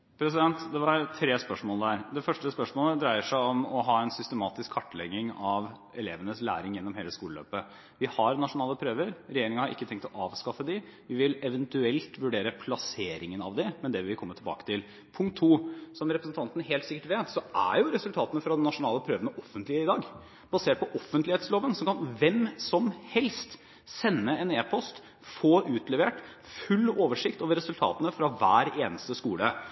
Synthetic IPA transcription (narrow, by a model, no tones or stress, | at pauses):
pʰɾɛs̬ɪd̪ɛnt̪d̪ɛʋɑɾt̪ʰɾeːspœʂmoːləd̪æːɾd̪ɛfœʂʈəspœʂmoːləd̪ɾæɪəʂæɪɔmɔɦɑːɛnsʏst̪əmɑːt̪ɪskʰːɑʈːlɛɡːɪŋɑʋ | ɛlḛːʋənəslæ̰ːɾɪŋjɛnːɔmheːləskuːləlø̰ːpə | ʋɪhɑɾnɑʂʊnɑːləpʰɾøːʋəɾɾɛjeːɾɪŋəhɑɾɪ̰kːət̪ʰɛŋkt̪ɔʔɑːʋskɑfəd̪ɪʋɪʋɪlɛʋənt̪ʉɛlt̪ʋʉɖeːɾəpʰlɑseːɾɪŋənɑ̰ʋd̪ɪmɛnd̪ɛʋɪlʋɪkʰɔmːət̪ʰɪlbɑ̰ːkə̥t̪ʰɪl | pʰʊŋkt̪ʰːuːsɔmɾɛpɾəsn̩t̪ʰɑnt̪ənəɦeːlt̪sɪkːəʈʋeːt̪sɔʔæ̰ɾjʊɾɛsʉlt̪ʰɑːt̪ənəfɾɑd̪ɛnːɑʂʊnɑːləpʰɾøːʋənəʔɔfənt̪lɪəɪd̪ɑːɡ | b̥ɑseːʈ̚pɔʔɔfːənt̪lɪeːt̪sloːʋənsɔmkɑnʋɛmsɔmhɛlst̪ | sɛnːəɛneːpʰɔst̪ | foːʔʉːt̪lɛʋeːʈ | fʉlːoːʋəʂɪkt̪oːʋəɾɛsʉlt̪ʰɑ̰ːt̪ənəfɾɑʋæːɾeːnəst̪əskuːlə